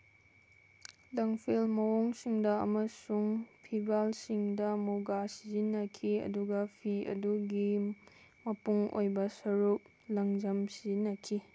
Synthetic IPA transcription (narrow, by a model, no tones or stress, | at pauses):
lɐŋpʰelmɐwoŋsiŋdɐɐ̰mɐsuŋpʰibɾalsiŋdɐmuɡasizinːɐkʰiɐ̰duɡɐpʰiɐ̰duɡi | mɐpuŋo̰jbɐsɐɾuk̚ | lɐŋd͡ʒɐmsizinːɐkʰi